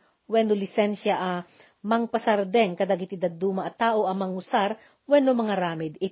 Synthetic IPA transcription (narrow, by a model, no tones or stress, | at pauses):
wɛnolɪsɛnʃjɐʔɐ | mɐŋpɐsɐɾd̪ɛŋkɐd̪aɡɪt̪ɪd̪ɐd̪uːmɐʔɐt̪aːʔoʔɐmɐŋʊsaɾ | wɛnomɐŋɐɾaːmɪd̪ɪ